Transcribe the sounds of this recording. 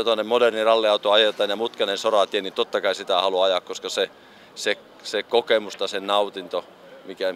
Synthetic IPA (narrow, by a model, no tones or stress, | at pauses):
ot̪oɑnːemodernirɑlːiɑut̪oɑjet̪ˑɑːnjɑmut̪kɑnensorɑt̪ienit̪ot̪ːɑkɑisit̪æhɑluɑɑjɑkkoskɑse | se | sekokemust̪ɑsennɑut̪int̪o | mikæ